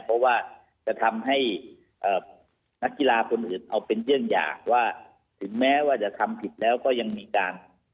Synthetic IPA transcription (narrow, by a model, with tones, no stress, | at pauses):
pʰɔ˦˥waː˥˩ | t͡ɕa˨˩t̪ʰa˧mɦa˥˩j | ʔəː˨˩ | na˦˥kːi˧laː˧kʰo˧nʔɯː˨˩nʔa˧wpe˧nɾɯ˥˩əŋja̰ː˨˩k̚waː˥˩ | t̪ʰɯ˩˦ŋmɛː˦˥waː˥˩t͡ɕa˨˩t̪ʰa˧mpʰi˨˩t̪̚lɛː˦˥wkɔː˥˩ja˧ŋmiː˧kaː˧n